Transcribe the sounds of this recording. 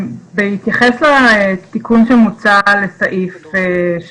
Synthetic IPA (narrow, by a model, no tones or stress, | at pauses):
behit̪jaχeslat̪ikunʃemut͡sale̞saʔife